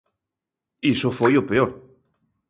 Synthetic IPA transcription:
isofojopeoɾ

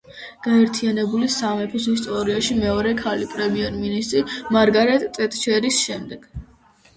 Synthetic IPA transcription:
ɡ̥aɛɾt̪ʰianɛbulisamɛpʰisis̬t̪ʼɔɾiaʃimɛɔɾɛkʰalipʼɾɛmiɛɾminist̪ʼɾimaɾɡaɾɛt̪ʼt̪ʼɛt̪ʼt͡ʃʰɛɾisʃɛmd̪ɛɡ̥

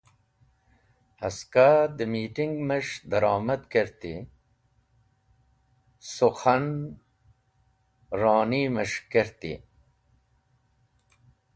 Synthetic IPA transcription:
hɐskad̪əmiːʈiŋɡməʂd̪ɐɾɑːmɐd̪keɾt̪ḭ | suxɐn | ɾɑːniməʂkeɾt̪ḭ

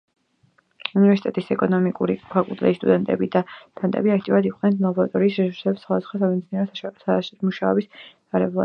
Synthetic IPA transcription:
univɛɾsit̪ʼɛt̪ʼisɛkʼɔnɔmikʼuɾipʰakʼulˠt̪ʼɾɛist̪ʼud̪ɛnt̪ʼɛ̰bid̪at̪ʰant̪ʼɛ̰biak̚ʰt̪ʼiuɾad̪iqʼnɛnslˠabɔɾa̰t̪ʼɔɾiːsɾɛsu̥ɾsɛbsχwad̪asχɔsamɛd̪siniɛɾɔs | muʃaɔbis | aɾɛblˠa̰

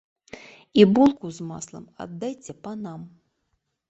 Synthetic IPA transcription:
ibulˠkuzma̰slˠɐ̰ma̰d̪ːajt͡sʲɛpɐnam

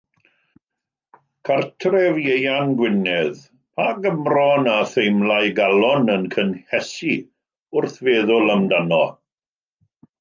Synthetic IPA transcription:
kʰartʰrɛvjejanɡwɪnɛð | pʰaɡəmrɔnaθejmlajɡalˠɔnənkʰənhɛsi | ʊrθveːðʊləmdanɔ

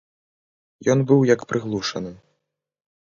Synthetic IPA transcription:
jɔnbɨwjɐkpɾʔɨɣlˠuʂɐnɨ

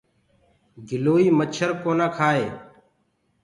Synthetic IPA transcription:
ɡʱɪloːiːmət͡ʃʰəɾkoːnãːkʰaːeː

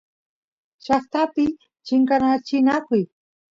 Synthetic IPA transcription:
ʃɑχt̪apɪ | t͡ʃɪŋkanat͡ʃɪnakʊj

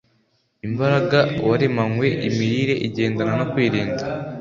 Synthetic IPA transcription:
imbaɾaɡawaɾemaŋwe̞ʔimiɾiɾe̞ʔiɟe̞ːndananakwiːɾiːnɡa

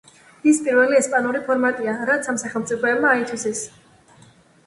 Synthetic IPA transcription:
ispʼiɾvɛliɛspʼanuɾipʰɔɾmat̪ʼiaɾat̪sʰamsaχɛlˠmt̪sʼipʰɔɛbmaːit̪ʰwisɛs

